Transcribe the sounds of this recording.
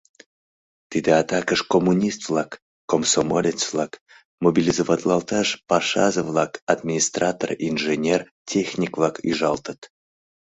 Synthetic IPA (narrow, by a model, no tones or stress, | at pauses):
t̪id̪eat̪ɑkəʃkomunʲist̪vlˠɑkː | omsomolʲet͡svlˠɑk | mobʲilʲizovɑd̪lˠɑlˠt̪ɑʃpɑʃɑ̰zəvlˠɑkad̪mʲinʲist̪rat̪orinʒenʲer | tʲʰexʲnʲikvlˠɑkyʒɑlˠt̪ət̪